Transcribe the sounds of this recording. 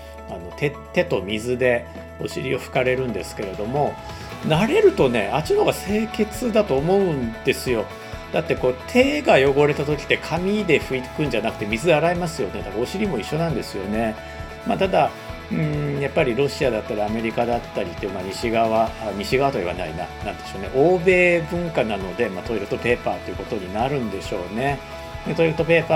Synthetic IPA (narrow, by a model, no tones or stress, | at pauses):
ano̞t̪ʰe̞ | t̪e̞t̪o̞mʲizɨd̪e̞ | o̞̰ɕiɾʲio̞ɸɯ̟̥kaɾe̞ɾɯ̟̃nd̪e̞sɨ̥ke̞ɾe̞d̪o̞mo̞ | naɾe̞ɾɯ̟t̪o̞ne̞̰ʔat͡ɕinoɡase̞ːke̞t͡sɨd̪at̪o̞ːmo̞ɯ̟̃nd̪̥e̞sɨjo̞ | d̪̥at̪ːe̞ko̞ːt̪ʰe̞ːɡajo̞ɡo̞ɾe̞t̪at̪o̞kʲi̥t̪ːe̞kʰamʲid̪e̞ɸɯ̟it̪kɯ̟̃ɲ̟d͡ʑanakɯ̟̥t̪e̞mʲizɨd̪eaɾaimasɨjo̞ned̪akaoɕiɾʲimo̞iɕːo̞nãnd̪e̞sɨjo̞̰ne̞ | mat̪ad̪a | ɯ̟̃japːaɾʲiɾo̞ɕiad̪at̪ːaɾʲiame̞ɾʲikad̪at̪ːaɾʲit̪ːeɯmaɲ̟iɕiɡaβaaɲ̟iɕiɡaβat̪oiβa̰na̰ḭna̰nãnd̪eɕo̞ːne̞̰ʔo̞ːbe̞ːbɯ̟̃ŋkanano̞d̪e̞mat̪o̞iɾɯ̟t̪o̞pe̞ːpa̰ːt̪ːeiɯ̟ko̞t̪o̞ɲ̟inaɾɯ̟̃nd̪e̞ɕo̞ːne̞ | net̪o̞iɾɯ̟t̪o̞pe̞ːpa